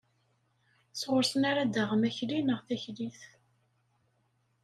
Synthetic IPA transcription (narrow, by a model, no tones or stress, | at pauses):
sʁʊɾsənaɾad̪əʁəmæçlinəʁθæçliθ